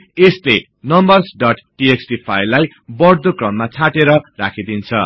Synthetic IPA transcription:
esle | nʌmbʌrsɖʌʈʈieksʈipʰajlaj | bʌrd̪okrʌmːat͡sʰaʈeɾʌrakʰid̪int͡sʰʌ̰

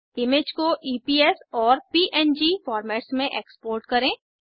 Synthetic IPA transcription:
ɪmed͡ʒkoʔiːpiːɛsɔːɾpiːʔɛnd͡ʒifɔːɾmɛːʈsmẽʔeːkspoːɾʈkɐɾẽː

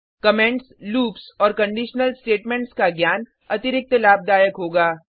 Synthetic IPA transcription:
kɐmɛ̃ɳʈsluːpsɔːɾkɐ̃ɳɖiːʃnəlsʈeːʈmẽːɳʈskaɡjaːn | ɐt̪ɪɾɪk̚t̪əlaːb̚d̪aːjəkɦoːɡaː

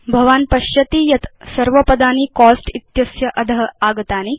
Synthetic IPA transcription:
bʱɐʋaːnpɐɕjɐt̪iːjɐt̪sɐɾʋɐpɐd̪aːniːkɔːsʈit̪jɐsjɐʔɐd̪ɐɦɐaːɡt̪aːni

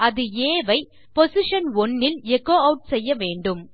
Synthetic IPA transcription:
ɐðɯeːʋɐɪ | pɔsɪʂɐnɔnːɪnɛkoːɐʊʈ̚sɛjːɐʋeːɳɖɯm

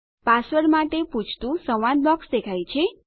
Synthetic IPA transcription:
pasʋəɽmaʈeput͡ʃʰt̪ũsəʋanbɔksd̪ekʰajt͡ʃʰe

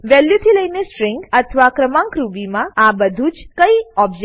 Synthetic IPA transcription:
ʋɛljut̪ʰiləjnesʈɾɪŋɡət̪ʰəʋakɾəmãŋkɾubimãabəd̪ʱut͡ʃkəiɔbd͡ʒe

